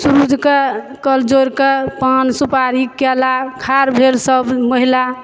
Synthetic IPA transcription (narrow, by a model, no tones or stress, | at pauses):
suɾud͡ʒʱke | kəld͡ʒoɾkepansupaɾikɛlakʰaɾbʱelsəbməɦila